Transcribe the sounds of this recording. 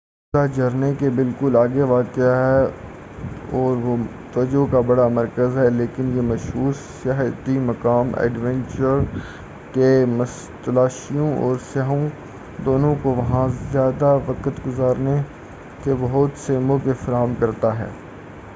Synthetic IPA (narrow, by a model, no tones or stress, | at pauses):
ad͡ʒɐɾnekebɪlkʊlaːɡeʋaːkɪaɦɛ | ɔːɾʋo | t̪əd͡ʒokabɐɽamɐɾkəzɦɛleːkɪnjemɐʃɦuːɾ | səɦt̪imɐkaːmɛ̰ːɖʋɛ̃nt͡ʃəɾ | kemə | t̪ɐlaːʃijõʔɔ̰ːɾsaɦõ | d̪oːnõkoʋɐɦãzjaːd̪aʋəkət̪ɡʊzaːɾne | kebɐɦʊt̪seːmõkefɐɾaːɦəmkɐɾt̪aɦɛ̰ː